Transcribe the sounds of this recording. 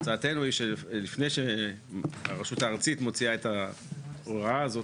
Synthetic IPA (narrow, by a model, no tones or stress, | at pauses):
t͡saːtenwejʃelifnejʃe | a̰ʁeʃutaːʁt͡sit̪mo̞t͡siaeta | oaaːzo̞t